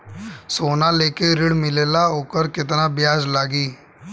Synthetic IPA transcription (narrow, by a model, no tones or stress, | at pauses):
soːnaleːkeɾɪɽmɪleːlaɦoːkəɾkɪt̪nabjaːzlaːɡiː